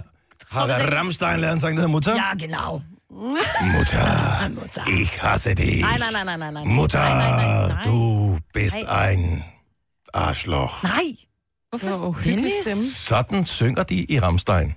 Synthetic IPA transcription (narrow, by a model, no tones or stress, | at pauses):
ɔʁəʁamstaɪnlɛɐnzaːɡŋdhɛɐmʊtɐjaːɡəna̰ʊ | mʊ̰tʰɐ̰ | ʔɪçha̰sədɪ̰ | mʊtʰɐ | d̥uːb̥ɪsta̰ɪn | ʔa̰ːʃlɔ̰xa | satn̩sʏŋɡɐdiːʔiʁamstaɪn